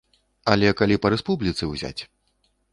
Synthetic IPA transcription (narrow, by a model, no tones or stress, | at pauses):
ɐlʲɛkalʲipɐɾɛspublʲit̪sɨwzʲa̰t͡sʲ